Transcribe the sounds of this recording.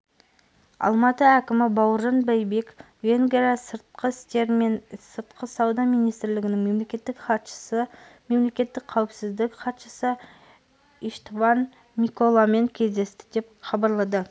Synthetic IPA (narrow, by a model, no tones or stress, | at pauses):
ɑ̰lˠmɑt̪əækʲɪmɪbɑwəɾʒɑnbæjbe̞k | ve̞ŋɡʲɾasəɾt̪̚qəɪst̪e̞ɾmensəɾt̪qʰəsɑwd̪ɑmijnijst̪ɾlɪɡʲɪnɪŋme̞mle̞kʲe̞t̪ːɪkχɑt̪ʃə̥səme̞mle̞kʲe̞t̪ːɪkʲqʰːæwɪpsɪzd̪ɪkqɑt̪ʃəsə | iʃt̪vɑn | mʲikolˠame̞ŋkʲʰe̞zd̪e̞st̪ɪ̥d̪e̞p̚χɑbɑɾlˠɑd̪ə